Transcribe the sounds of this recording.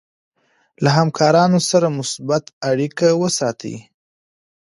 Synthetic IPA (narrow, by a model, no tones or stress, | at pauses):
laɦamkʰɑɾɑnosaɾamʊsbat̪aɽikawəsɑt̪ə̰